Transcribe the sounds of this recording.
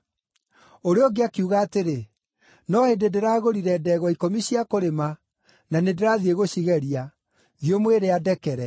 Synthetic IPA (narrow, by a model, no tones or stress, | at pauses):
oɾeoɡeakiuɣaːteɾe | nɔhededeɾaɣoɾiɾɛdɛɣwɔikomiɕiakoɾema | nanedeɾaðieɣoɕiɣɛɾia | ðiomweɾeadɛkɛɾɛ